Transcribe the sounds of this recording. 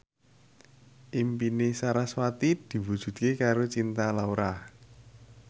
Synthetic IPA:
ʔimpinesaɾaswat̪id̪̥i̤wud̥ʒ̥ṳt̪̚kekaɾot͡ʃint̪alauɾah

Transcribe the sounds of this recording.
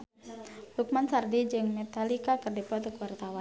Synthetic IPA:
duk̚mansardid͡ʒɨŋmɛt̪alikakərdɛpɔt̪ɔkwart̪awan

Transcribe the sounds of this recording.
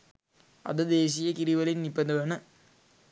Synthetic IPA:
ɐ̰d̪ɨd̪eːs̬ijɐkiɾiʋɐlinnibːɐnd̪ɐʋɐnɐ

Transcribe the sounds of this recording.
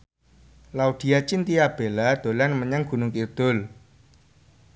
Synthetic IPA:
laud̪̥i̤at͡ʃint̪iab̥e̤lad̪̥o̤lanməɲaŋɡ̥ṳnʊŋkird̪̥ʊl

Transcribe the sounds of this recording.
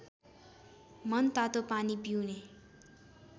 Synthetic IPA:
mʌnt̪at̪opanipiwne

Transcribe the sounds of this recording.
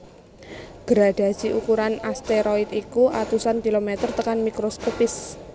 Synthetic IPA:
ɡ̥əɾaɖ̥a̤̥siʔukuɾanast̪eɾoɪt̪ikuʔat̪usankilomet̪ərt̪əkanmikɾoskopɪs

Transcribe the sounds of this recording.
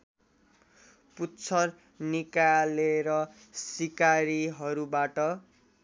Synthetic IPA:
putt͡sʰʌr | nikaleɾʌ | sikaɾiɦʌɾubaʈʌ

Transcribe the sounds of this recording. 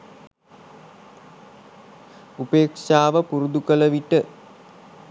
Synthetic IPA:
upeːkʂaːʋəpuɾud̪ukələʋiʈə

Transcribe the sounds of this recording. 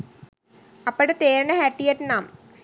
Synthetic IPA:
ɐpːɐɽet̪eːɾɐɳɐhaʈːijeʈːnaːm

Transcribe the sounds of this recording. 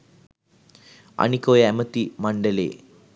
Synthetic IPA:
ɐ̰ɳikoːjɐemɐt̪imɐɳɖɐlḛː

